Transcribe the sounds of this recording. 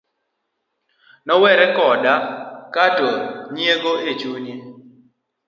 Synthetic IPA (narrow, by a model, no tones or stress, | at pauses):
nɔwɛɾɛkɔdakatoɲieɡoet͡ʃuɲje